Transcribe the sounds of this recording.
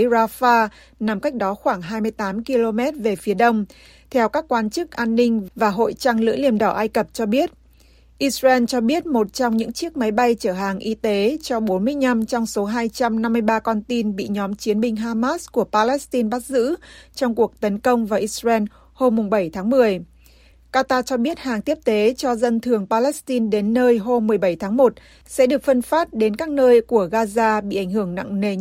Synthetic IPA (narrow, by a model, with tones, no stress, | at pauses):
zaː˧faː˧ | na˨˩mka˦˥jk̟̚ɗɔ˨˦xwaː˧˩ŋɦaː˧jmɨ˧əjt̪aː˨˦mki˧lo˧mɛ˦˥t̚ve˨˩fi˨˦əɗə˧wŋ͡m | t̪ʰɛ˧wkaː˦˥kːwaː˧nt͡ɕɨ˦˥k̚ʔaː˧nːï˧ŋ̟vvaː˨˩ɦo̰˧˨jt͡ɕa˧ŋlɨ̰˧˥li˧˩əmɗɔ˧˩ʔaː˧jkə˨˩p̚t͡ɕɔ˧ɓi˦˥ət̚ | ʔi˧sɹɛ˧nt͡ɕɔ˧ɓi˦˥ət̚mo˨˩t̚t͡ɕɔ˧wŋ͡mɲɨ̰˧˥ŋt͡ɕi˦˥ək̚ma˨˦jɓa˧jt͡ɕəː˧˩ɦaː˨˩ŋʔi˧t̪e˨˦t͡ɕɔ˧ɓo˨˦nmɨ˧əjna˧mt͡ɕɔ˧wŋ͡mso˨˦ɦaː˧jt͡ɕa˧mna˧mːɨ˧əjɓaː˧kɔ˧nt̪i˧nɓḭ˧˨ɲɔ˨˦mt͡ɕi˨˦ənɓï˧ŋ̟ɦaː˧maː˦˥sku˧˩əpaː˧lɛ˦˥st̪i˧nɓa˦˥k̚zɨ̰˧˥t͡ɕɔ˧wŋ͡mku˨˩ək̚t̪ə˨˦nkə˧wŋ͡mvaː˨˩ʔi˧˥srɛ˧n | ho˧mːʊ˨˩ŋ͡mɓə˧˩jt̪ʰaː˨˦ŋmɨ˨˩əj | kaː˧t̪aː˧t͡ɕɔ˧ɓi˦˥ət̚haː˨˩ŋt̪i˦˥əp̚t̪e˨˦t͡ɕɔ˧zə˧nt̪ʰɨ˨˩əŋpaː˧lɛ˦˥st̪i˧nɗe˨˦nːəː˧jɦo˧mːɨ˨˩əjɓə˧˩jt̪ʰaː˨˦ŋmo˨˩t̚ | sɛ̰˧˥ɗɨ˨˩ək̚fə˧nfaː˦˥t̚ɗe˨˦nkaː˦˥k̚nəː˧jku˧˩əɣaː˧zaː˧ɓḭ˧˨ʔa˧˩ŋ̟hɨ˧˩əŋna̰˧˨ŋne˧